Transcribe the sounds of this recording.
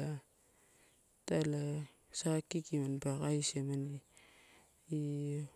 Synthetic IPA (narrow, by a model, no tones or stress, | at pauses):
a | tala | sakːikimanbakajsemani | i